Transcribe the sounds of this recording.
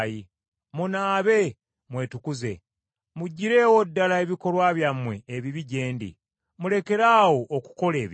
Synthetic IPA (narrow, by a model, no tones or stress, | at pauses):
ji | munaːβe̞ | mwe̞ːtukuze̞̰ | muɟːiɾe̞ːwodːalae̞βiko̞lwaːβjamwe̞ːβiβiɟe̞ːndḭ | mule̞ke̞ɾaːwo̞ʔːku̥ko̞le̞ːβ